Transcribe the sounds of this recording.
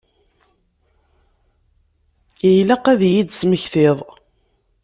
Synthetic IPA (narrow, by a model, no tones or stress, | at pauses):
əjlæqæðjid̪sməçθɪðˤ